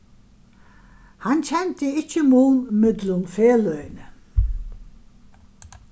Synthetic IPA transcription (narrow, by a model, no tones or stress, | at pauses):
hant͡ɕʰɛnt̪əɪt͡ɕːəmuːnmɪd̪lʊnfeːlœʏnə